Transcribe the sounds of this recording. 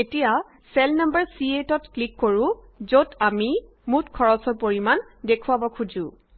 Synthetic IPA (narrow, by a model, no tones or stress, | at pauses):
etija | sɛlnambəɹsietɔtklikːoɹʊ̃ | zotami | mutkʰɔɹɔsɔɹpoɹimandekʰuwabɔkʰud͡ʒʊ̃